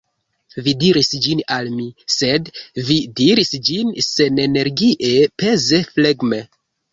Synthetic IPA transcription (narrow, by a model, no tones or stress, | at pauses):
vidiɾisd͡ʒinalmise̞dvidiɾisd͡ʒinse̞ne̞neɾɡiʔepe̞ze̞fleɡme̞